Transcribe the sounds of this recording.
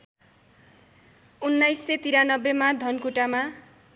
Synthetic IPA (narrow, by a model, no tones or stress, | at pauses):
unːajsːet̪iɾanʌbːemad̪ʱʌnkuʈama